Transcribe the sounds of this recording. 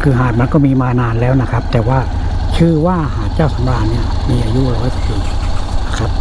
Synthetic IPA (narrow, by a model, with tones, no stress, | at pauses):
kʰɯː˧˩ɦaː˨˩t̪̚m˧˥nkɔː˥˩miː˧maː˧naː˧nlɛː˦˥˩wna˦˥kʰa˦˥p̚t̪ɛː˨˩waː˥˩ | kʰɯː˧waː˥˩haː˨˩t͡ɕaː˥˩wsa˨˦mɾaː˧ni˦˥˩ɐ | miː˧ʔaː˧ju˦˥ʔlɔː˦˥˩jt̪ki˧˩ŋ˧˦˥kʰa˦˥p̚